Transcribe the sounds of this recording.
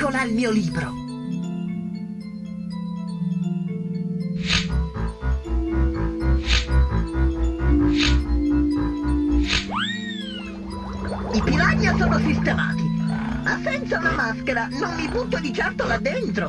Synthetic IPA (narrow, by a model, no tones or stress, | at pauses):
olailmiːoliːbɾo | ipilaɲːasoːnosist̪ema̰ːt̪imasːɛnt̪saunamaskeɾanonːiput̪ːod̪it͡ʃɛrt̪olad̪ːent̪ɾo